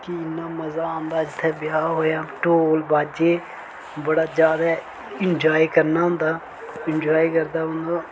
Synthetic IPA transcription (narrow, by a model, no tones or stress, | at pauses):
kinːaːməzãːnd̪aːd͡ʒɪt̪ʰːeːbɪjaːɦoːjaːʈoːlbaːd͡ʒeː | bəɽaːd͡ʒjaːd̪aː | ɪnd͡ʒaːiːkəɾnaːɦʊ̃nd̪aː | ɪnd͡ʒaːiːkəɾd̪aːɦʊ̃nd̪aː